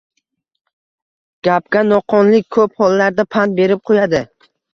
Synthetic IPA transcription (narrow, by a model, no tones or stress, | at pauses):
ɡ̥ʲap̚kʲanɒqʰɒnlɪk̚ʲʰɵphɒlˠːaɾd̪apʰant̪̚be̞ɾɪp̚qʰojad̪ɪ